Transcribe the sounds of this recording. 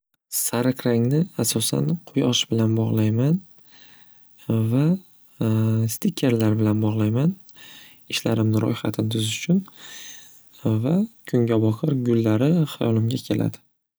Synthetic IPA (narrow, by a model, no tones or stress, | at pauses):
saɾakʰʲɾaŋnɪasɒsa̰nqʰʊjɒʃbɪlanbɒʁlˠajman | va | st̪ʰɪkʲʰːe̞ɾlaɾbɪlanbɒʁlˠajman | ɪʃlaɾɪmnɪɾʔɒ̰jχat̪ʰɪnɪt̪ʰʊzɪʊt͡ʃʰʊn | vakʰʊŋɡʲabɒqʰɨɾɡʊlːaɾɪhajɒlɪmɡʲakʲʰe̞lʔa̰d̪ɪ